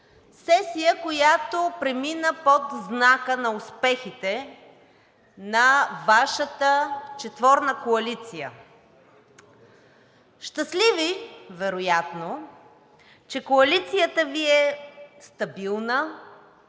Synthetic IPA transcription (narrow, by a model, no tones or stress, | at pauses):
sɛsijəkojat̪opɾɛminəpot̪znakənɐʊspɛxit̪ɛ | nɐvaʃət̪ət͡ʃɛt̪vɔɾnəkoɐlit̪sijə̰ | ʃt̪əslivivɛɾojat̪no | t͡ʃɛkoɐlit̪sijət̪əviɛst̪ɐbilˠnə